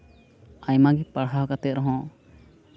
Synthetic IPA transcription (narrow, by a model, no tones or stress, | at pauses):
ajmaɡɛpaɽɦakat̪ɛt̪̚ɾɔɦɔ̃